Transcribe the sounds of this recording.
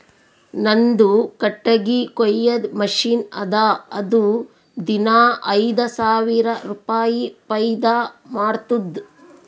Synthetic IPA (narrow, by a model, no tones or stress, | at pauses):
nɐnd̪ukɐʈːɐɡikojːɐd̪mɐʂiːnɐ̰d̪aːɐd̪u | d̪inaːʔɐjd̪ɐsaːʋiɾɐɾupaːjipɐjd̪aːmaːɽt̪ud̪